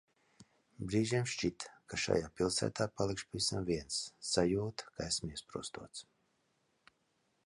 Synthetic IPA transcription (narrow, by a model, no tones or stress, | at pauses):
bɾiːʒimʃt͡ʃit̪kaʃa̰jaːpʲilˠsæ̰ːt̪aːpalˠikʃpavisamviɛnsːajuːt̪kaesmiɛspɾṵɔst̪uɔt̪s